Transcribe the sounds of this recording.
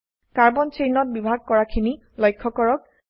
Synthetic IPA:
kaɹbɔnt͡ʃejnɔt̚bibʱaɡ̚kɔɹakʰini | lɔjkʰːɔkɔɹɔk̚

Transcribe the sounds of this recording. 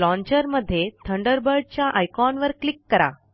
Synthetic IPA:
lɔ̃ɲt͡ɕəɾməd̪ʱːjet̪ʰəɳɖəɾbəɾɖ̚t͡ɕjaʔajkɔnʋəɾklikːəɾa̰

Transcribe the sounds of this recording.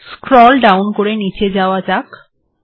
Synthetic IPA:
skɾɔlɖawnkoɾenit͡ɕed͡ʑaoad͡ʑak

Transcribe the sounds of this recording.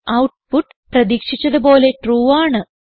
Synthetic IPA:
ɐwʈpuʈː | prɐðiːkʂit͡ɕːɐðubo̞ːle̞ʈruːaːɳɨ

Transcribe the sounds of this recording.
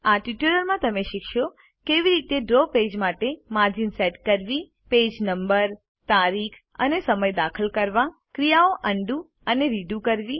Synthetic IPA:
aʈiʈuləɾmãt̪əmeʃikʰʃo | keʋiɾit̪eɖɾoped͡ʒmaʈemaɾd͡ʒinseʈkəɾʋi | ped͡ʒnəmbəɾ | t̪aɾikʰ | ə̰nesəməjd̪akʰəlkəɾʋã | kɾijaoʔəɳɖũ | əneɾiɖũkəɾʋi

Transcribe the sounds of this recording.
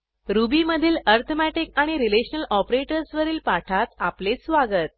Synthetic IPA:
ɾubiːməd̪ʱiːləɾt̪ʰəmæʈikaɽ̃iɾileɕənəlʔɔpɾeʈəɾsʋəɾiːlpaʈʰat̪aplet͡ssʋaɡət̪̚

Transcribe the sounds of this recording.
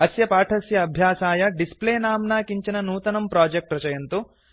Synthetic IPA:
ɐsjɐpaːʈʰɐsjɐːbʱjaːsaːjɐɖispleːnaːmnaːkiɲt͡ʃinɐnuːt̪ɐnɐmpɾaːd͡ʒek̚ʈɾɐt͡ʃɐjɐnt̪u

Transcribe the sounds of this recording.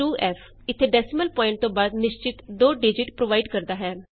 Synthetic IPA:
ʈuːʔɛːfʰ | ɪt̪ʰːeːɖɛːsɪməlpɔːɪɳʈ̚t̪õːbaːd̪nɪʃt͡ʃɪt̪d̪oːɖɪːd͡ʒɪʈpɾoːʋaːiɖkəɾd̪aːɦɛː

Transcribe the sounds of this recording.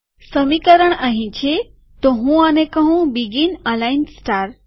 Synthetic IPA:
səmikəɾəɳ̃aɦĩt͡ɕʰe | t̪oɦũanẽkəɦũbiɡinãlainsʈaɾ

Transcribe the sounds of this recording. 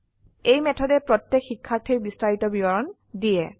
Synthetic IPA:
ejmɛtʰɔdɛpɹɔtjɛkxikʰːatʰejbistaɹitɔbibɔɹɔn | diɛ

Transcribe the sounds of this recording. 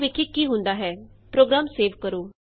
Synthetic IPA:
ʋɪkʰːikːiɦʊ̃nd̪aːɦɛːpɾoːɡɾaːmseːʋkəɾoː

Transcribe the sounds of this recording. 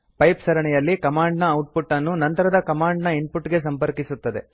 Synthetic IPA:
pɐjpsɐɾɐɳɛjɐlːikɐmaːɳɖnɐːwʈ̚puʈːɐnːunɐnt̪ɐɾɐd̪ɐkɐmaːɳɖnɐinpuʈːɡe̞s̬ɐmpɐɾkisut̪ːɐd̪e̞̰

